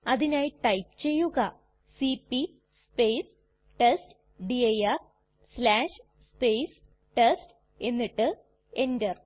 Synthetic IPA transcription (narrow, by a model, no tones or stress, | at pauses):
ɐðinaːjiʈɐjpt͡ɕe̞jːuɣɐ | sipːi | speːs | ʈest | ɖiɐjɐr | slaːʂ | spejs | ʈest | e̞nːiʈːɨ | e̞ndɐr